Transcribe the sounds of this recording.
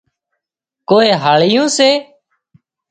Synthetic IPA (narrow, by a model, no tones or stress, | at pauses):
koːeːɦaːɭɪjõːseː